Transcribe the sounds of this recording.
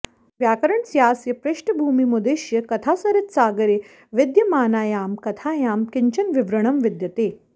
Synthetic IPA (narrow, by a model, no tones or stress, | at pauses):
ʋjaːkɐɾəɳsjaːsjɐpɾeʂʈbʱuːmimud̪eːʃjɐkɐt̪ʰaːsɐɾɐt̪saːɡɐɾe | ʋɪd̪jɐmaːnaːjaːmkɐt̪ʰaːjaːmkɪɲt͡ɕɐnʋiʋɾɐɳɐmʋid̪jɐt̪eː